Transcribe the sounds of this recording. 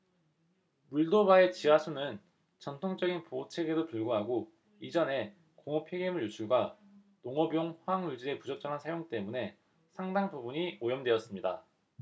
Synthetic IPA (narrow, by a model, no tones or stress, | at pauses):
muɭdobae̞t͡ɕiɦasʰunɯn | t͡ɕʌntʰoŋd͡ʑʌɡinpot͡ɕʰe̞ɡedopuɭɡoɦaɡo | id͡ʑʌne̞ | koŋʌpʰeɡemɯɭjusʰuɭɡwanoŋʌbjoŋɸwaŋuɭd͡ʑiɾe̞pud͡ʑʌk̚t͡ɕ͈ʌŋɦansʰajoŋt͈e̞mune̞ | sʰaŋdaŋbubuɲiojʌmdwe̞ʌs͈ɯmɲida̰